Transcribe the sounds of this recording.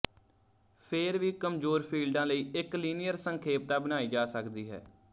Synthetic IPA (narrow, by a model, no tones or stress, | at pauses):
pʰɪɾʋiːkəmzoːɾpʰiːlɖãːləiːɪkliːnɪjəɾsəŋkʰeːp̚t̪aːbənaːiːd͡ʒaːsəkd̪iːɦɛ̰ː